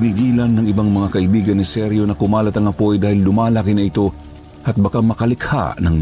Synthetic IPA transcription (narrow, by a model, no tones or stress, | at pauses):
niɡiːlɐnːɐŋʔɪbaŋmɐŋakɐʔɪbiːɡɐnːɪsɛɾjo̞nɐkʊmaːlɐt̪ɐŋɐpojd̪aːhɪlːʊmaːlakɪnɐɪt̪o̞ | hɐt̪̚bɐkamɐkɐlɪkha̰nɐŋ